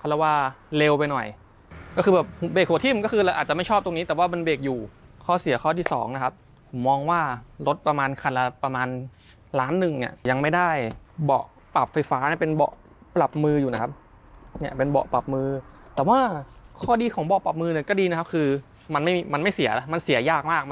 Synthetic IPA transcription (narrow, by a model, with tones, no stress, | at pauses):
kʰa˥˩lɛ˧˩waː˧˩le˧wpa˧jnɔ˨˩j | kɔː˥˩xɯː˧bɛː˨˩p̚hu˨˩beː˨˩k̚huː˨˩˦t̪ʰi˥˩m˨˩kɔː˥˩kʰɯː˧la˧˩ʔaː˨˩t͡ɕa˨ma˥˩jʰɔː˥˩p̚t̪o˧ŋni˦˥t̪ɛː˨˩waː˥˩ma˧nbeː˨˩k̚juː˨˩kʰɔː˦˥˩si˨˩˦ɐkʰɔː˥˩t̪ʰiː˥˩sɔ̰ː˩˦ŋna˦˥kʰa˦˥p̚ | mɔː˧ŋwaː˥˩lo˦˥t̪̚pɾa˧maː˧nkʰa˧nla˧pa˧maː˧n | laː˦˥nːɯ˨˩ŋnḭ˥˩ja˧ŋma˥˩jda˥˩jbɔ̰˨˩ʔ | pa˨˩p̚fa˧jfaː˦˥ni˥˩pe˧nbɔ̰˨˩ʔ | pla˨˩p̚mɯː˧juː˨˩a˦˥kʰa˦˥p̚ | ni˥˩ɐpe˧nbɔ̰˨˩pa˨˩p̚mɯː˧ | t̪ɛː˨˩waː˥˩kʰɔː˥˩diː˧kʰɔː˩˦ŋbɔ˨˩pa˨˩p̚mɯː˧ni˧˩kɔː˥˩diː˧na˦˥kʰa˦˥p̚kʰɯː˧ | ma˧nma˥˩jma˧nma˥˩jsi˨˩˦la˦˥ma˧nsi˨˩˦jaː˥˩k̚maː˥˩k̚